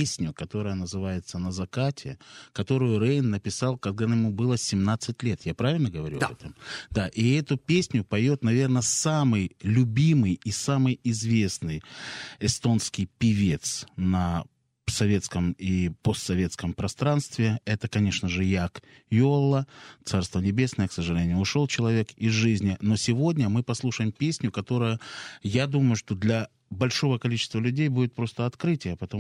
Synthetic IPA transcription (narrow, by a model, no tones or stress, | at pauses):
esʲnʲʊkɐt̪o̞ɾəjənəzɨvajɪt̪sənəzɐkatʲʰɪ̰kɐt̪o̞ɾʊjʊɾejnːəpʲɪsalˠkɐɡ̚d̪ajɪmubɨlˠəsʲɪmnat̪sɨtʲlʲe̞t̪japɾavʲɪlʲnəɡəvɐɾuɐ̰bɛt̪əmd̪aʔiɛt̪ʊpʲesʲnʲʊpɐjo̞t̪nɐvʲe̞rnəsamɨjlʲʊbʲimɨjisamɨjɪzvʲesnɨjɪst̪o̞nskʲɪjpʲɪvʲe̞t̪snə | sɐvʲe̞t̪skəmipost̪sɐvʲe̞t̪skəmpɾɐst̪ɾanst̪vʲɪɛt̪əkɐnʲe̞ʂnəʐɨjak | jolˠːət̪sarst̪vənʲɪbʲe̞snəjəksəʐɨlʲenʲɪʊʊʂo̞lˠt͡ɕɪlˠɐvʲe̞kɪzʐɨzʲnʲɪno̞sʲɪvo̞dʲnʲəmɨpɐslˠuʂəjɪmpʲesʲnʲʊkɐt̪o̞ɾʊjʊjad̪uməjʊʂt̪o̞d̪lʲɐ | bɐlʲʂo̞vəkɐlʲit͡ɕɪ̥st̪vəlʲʉdʲejbudʲɪt̪̚pɾo̞st̪əɐt̪kɾɨtʲɪjəpət̪ɐ